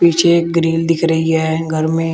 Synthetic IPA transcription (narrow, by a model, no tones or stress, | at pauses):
piːt͡ʃʰeɡɾiːld̪ɪkʰɾəɦiɦɛɡʱəɾmẽ